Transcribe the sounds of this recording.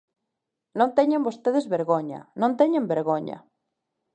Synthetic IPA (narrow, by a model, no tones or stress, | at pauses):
nõnt̪eɲãmbost̪eðezβeɾɣoɲa̰nõnt̪eɲẽmbeɾɣoɲa̰